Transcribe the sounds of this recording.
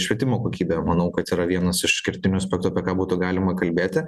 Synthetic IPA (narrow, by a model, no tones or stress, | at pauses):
ʃʲʋʲiɛt̪ʲɪmoːkoːkʲiːbʲɛmɐnɐʊkɐt̪iːɾɐʋʲiɛnɐsɪʃkʲɪɾʲt̪ʲɪnʲʊɐsʲpʲɛkt̪uɐpʲɛkɑːbuːt̪ʊɡɑːlʲɪmɐkɐlʲbʲeːt̪ʲɪ